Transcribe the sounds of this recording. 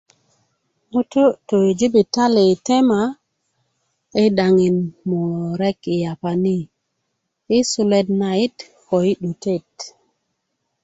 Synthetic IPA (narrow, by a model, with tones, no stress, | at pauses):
mu˦to˦to˨i˨d͡ʒi˦bi˨ta˦le˨te˦ma˨ | e˦ɗa˨ŋi˨nmo˨ɾɛ˦ki˨ja˨pa˨ni˦ | i˦su˨le˦dna˨i˦t | ko˨i˦ɗu˨te˦˨t